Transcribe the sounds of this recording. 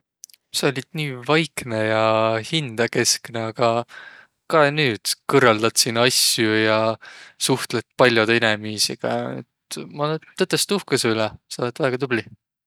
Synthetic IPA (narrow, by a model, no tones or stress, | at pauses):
seolʲid̪̥niːvɑjkne̞jɑhind̪̥ɑke̞skne̞ɑɡ̥ɑ | kɑenyːd̪̥kɤrːɑld̪̥ɑt̪siːnɑsjujɑsuht̪let̪̚ːˑpɑlʲjod̪inemiːsiɡ̥ɑ̰ḛt̪mɑleːɤt̪ːˑest̪uhkeseylɛseolet̪væːɡ̥ɑt̪ub̥li